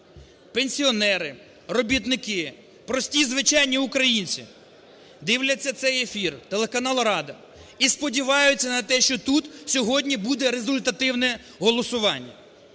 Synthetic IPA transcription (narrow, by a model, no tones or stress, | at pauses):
penʲsʲiɔnɛɾɪ | ɾɔbʲit̪nɪkɪ | pɾɔsʲtʲizʋɪt͡ʃɑjnʲiʊkɾɐjinʲt͡sʲḭ | d̪ɪwlʲɐt͡sʲːɐt̪sɛjefʲirt̪e̞lˠekɐnɑlˠɾɑd̪ɐ | ispɔdʲiʋɑjʊt͡sʲːɐnɐt̪ɛʃt͡ʃɔt̪ut̪sʲɔɦɔdʲnʲibud̪ɛɾezʊlʲt̪ɐt̪ɪwnɛ | ɦɔlˠɔsʊʋɑnʲːɐ̰